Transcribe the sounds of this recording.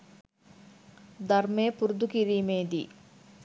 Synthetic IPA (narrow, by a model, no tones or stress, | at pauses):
d̪ɐɾmeːpuɾd̪ukiɾiːmeːd̪ḭ